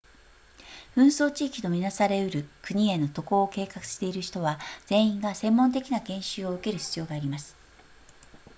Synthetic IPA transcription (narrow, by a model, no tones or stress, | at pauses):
ɯ̟̃ɰ̃so̞ːt͡ɕiːkʲino̞mʲinasaɾe̞ɯ̟ɾɯ̟kɯ̟ɲ̟ie̞nːo̞t̪o̞koːke̞ːkakɯ̟̥ɕi̥t̪e̞iɾɯ̟çi̥t̪o̞βad͡z̥ẽ̞ɰ̃ĩŋɡasẽ̞mːõ̞nt̪e̞kʲinaɡẽ̞ɰ̃ɕɨːo̞ɯ̟ke̞ɾɯ̟çi̥t͡sɨjo̞ːɡaːɾʲimasɨ̥